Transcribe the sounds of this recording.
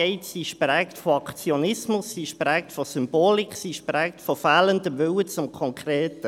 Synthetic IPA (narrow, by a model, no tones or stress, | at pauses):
ɛɪtsiːʃprɛːktfoɑkt͡sjonɪsmʊsːiːʃprɛːk̚tfosʏmb̥oːlɪkχsiːʃprɛːktfofæːləndəʋʏwət͡sʊmkʰɔŋkʰreːtə